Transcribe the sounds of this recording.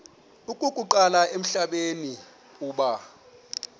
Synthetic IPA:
ukʼukʼuǃalaʔem̩ɬaɓeni | uːɓa

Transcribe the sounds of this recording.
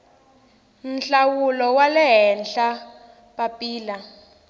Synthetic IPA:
nɬawulɔwalɛɦɛnɬa | papʼiːla

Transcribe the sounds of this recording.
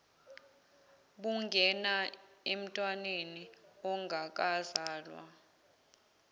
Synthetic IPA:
ɓuŋɡʱɛnaem̩tʼwaneniɔŋɡʱak̬ʼazaːlwa̰

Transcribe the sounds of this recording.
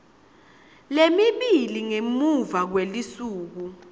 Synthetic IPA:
lemiɓiliŋemuvak̬welisuːk̬u

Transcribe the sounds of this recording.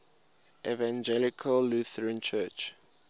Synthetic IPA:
ʔɛvãnd͡ʒɛlɪkʰəlːuθəɹə̃nt͡ʃʰɜˑt͡ʃ

